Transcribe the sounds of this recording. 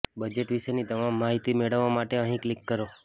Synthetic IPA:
bəd͡ʒeʈʋiʃenid̪əmamːaɦit̪imeɭəʋamaʈeəɦĩklikːəɾo

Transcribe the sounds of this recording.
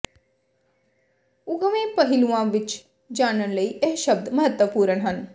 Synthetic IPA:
ʊɡʋẽːpəɦɪlũãʋɪt͡ʃ | d͡ʒaːnənləiːeɦʃəbd̪məɦət̪wəpuːɾənɦən

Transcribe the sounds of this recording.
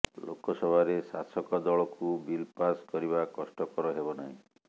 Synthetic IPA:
lo̰kɔsɔbʱaɾesasɔkɔd̪ɔɭɔkubilpaskɔɾibakɔsʈɔkɔɾɔɦebɔnaɦĩ

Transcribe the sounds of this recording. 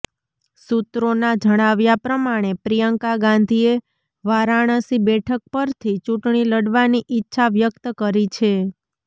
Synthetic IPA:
sut̪ɾonad͡ʒʱəɽ̃aʋjapɾəmaɽ̃epɾijəŋkaɡãnd̪ʱie | ʋaɾaɽ̃əsibɛʈʰək̚pəɾt̪ʰit͡ʃuʈɳiləɽʋaniʔɪtːʃʰaʋjək̚t̪kəɾit͡ʃʰe

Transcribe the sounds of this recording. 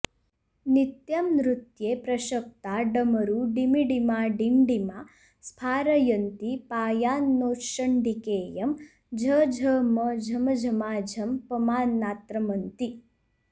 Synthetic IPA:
nit̪jamnɾut̪jeːpɾɐʃɐk̚t̪aːɖɐmɐɾuɖimiɖimaːɖiɳɖimaː | spʰaːɾɐjɐnt̪ipaːjaːnːoːʃɐɳɖikeːjɐm | d͡ʒʱɐd͡ʒʱɐmɐd͡ʒʱɐmɐd͡ʒʱɐmaːd͡ʒʱɐmpɐmaːnːaːt̪ɾɐmɐnt̪i

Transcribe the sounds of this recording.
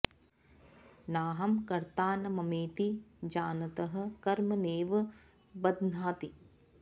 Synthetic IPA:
naːɦɐmkɐɾt̪aːnɐmɐmeːt̪id͡ʒaːnɐt̪ɐɦɐ̆kɐɾmɐneːʋ | bɐd̪naːt̪i

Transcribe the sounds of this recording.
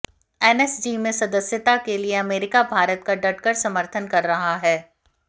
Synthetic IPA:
ɛːnɛsd͡ʒiːmẽsɐd̪əsjət̪akelieɐmeːɾɪkabʱaːɾət̪̚kaɖɐʈ̚kəɾsɐməɾt̪ʰənkɐɾːɐɦaɦɛː

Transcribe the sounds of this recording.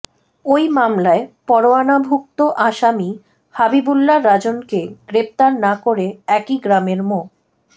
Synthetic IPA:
ojmamlaepɔɾoanabʱuk̚t̪oʔaʃami | habibulːaɾːad͡ʑonkeɡ̥ɾep̚t̪aɾnakoɾeɛkiɡɾameɾmo

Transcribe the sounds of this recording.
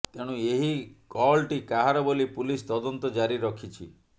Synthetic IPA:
t̪eɽ̃ũeɦikɔlʈikaɦaɾɔbolipulist̪ɔd̪ɔnt̪ɔd͡ʒaɾiɾɔkʰit͡ʃʰḭ

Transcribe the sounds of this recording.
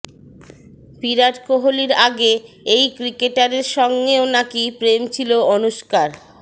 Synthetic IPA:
piɾaʈkoɦoliɾaɡe | ejkɾikeʈaɾeɾʃɔŋɡeonakipɾemt͡ɕʰiloonuʃkaɾ

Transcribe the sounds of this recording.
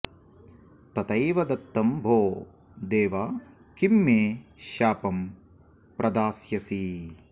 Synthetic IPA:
t̪ɐt̪ɐjʋɐd̪ɐt̪ːɐmbʱoː | d̪eːʋɐ | kimːeːʃaːpɐm | pɾʔɐd̪aːsjɐsi

